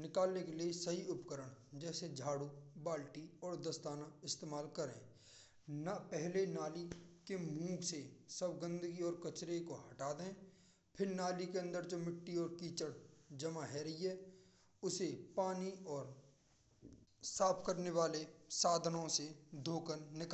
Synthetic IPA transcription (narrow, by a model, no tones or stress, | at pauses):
nɪkaːlnekeliesɐɦiʊpkəɾəɽ̃d͡ʒɛːsed͡ʒʱaːɽubaːlʈiɔːɾd̪əst̪aːnaɪst̪eːmaːlkəɾḛ̃ː | napɛɦlenaːlikemũːɡsesəbɡə̃nd̪əɡiɔːɾkət͡ʃɾekoɦɐʈaːd̪ɛ̃ː | pʰɪɾnaːlikeə̃nd̪əɾt͡ʃomɪʈːiɔːɾkiːt͡ʃəɾd͡ʒɐmaɦɛɾɐɦiɦɛː | ʊsepaːniɔːɾ | saːpʰkəɾneʋaːlesaːd̪ʱnõsed̪ʱoːkənːɪka